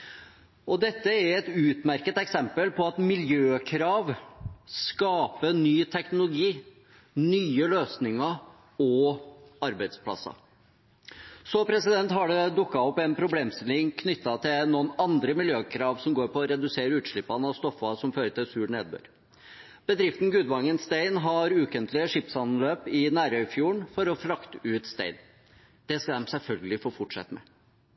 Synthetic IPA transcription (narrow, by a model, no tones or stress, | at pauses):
ʔɔd̪ɛt̪ːəɛɾɛt̪ʉːt̪mæɾkət̪ɛksɛmpəlpʰɔɑt̪mɪljøːkʰɾɑːʋskɑːpənyːt̪ʰɛknʊlʊɡiː | nyːəløːsnɪŋɑ | ɔɑɾbæɪd̪spʰlɑ̰sɑ̰ | sɔpʰɾɛsɪd̪ɛnt̪hɑɖɛd̪ʊkːɑɔpːɛnpʰɾʊbleːmst̪ɪlɪŋkʰnʏt̪ːɑt̪ʰɪlnuːənɑnd̪ɾəmɪljøːkʰɾɑːʋsɔmɡoːɾpɔːɾɛd̪ʉseːɾəʉːt̪ʂɭɪpːɑnəɑst̪ɔfːɑsɔmføːɾəʈ̪ɪlsʉːɽɳeːd̪̚bø̰ːɾ | b̥əd̪ɾɪft̪n̩ɡʉːd̪ʋɑŋːənst̪eɪnɦɑɾʉːkənt̪lɪəʂɪpsɑnløːpɪnæːɾœʏfjuːəɳfɔɾɔflɑkt̪əʉːt̪st̪ḛɪn | d̪̥ɛskɑd̪ɛmsɛlfœlɡəlɪfoːfɔʈʂɛ̰t̪ːəmɛ̰